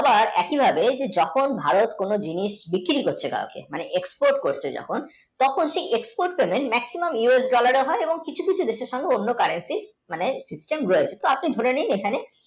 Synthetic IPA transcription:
abaɾɛkibʱabed͡ʑed͡ʑɔkʰonbʱaɾot̪konod͡ʑiniʃbikːiɾikoɾt͡ɕʰeɡa̰okḛmaneʔekspoɾʈkoɾt͡ɕʰed͡ʑɔ̰kʰon | t̪ɔkʰonʃejʔekspoɾʈ̚pemenmɛksimomjuesɖɔlaɾeɦɔeeboŋkit͡ɕʰukit͡ɕʰud̪eʃeɾʃɔŋɡeonːokaɾensi | manesisʈemɾoet͡ɕʰet̪oapnid̪ʱoɾeninekʰane

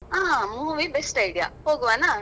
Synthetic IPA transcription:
aːɦãmuːʋibesʈɐɪɽija̰ːhoːɡuʋaːnaː

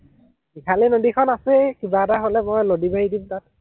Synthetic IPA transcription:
ikʰalinodikʰɔnasɛkibaɛtaɦolɛmojlodibaɦidimtat̚

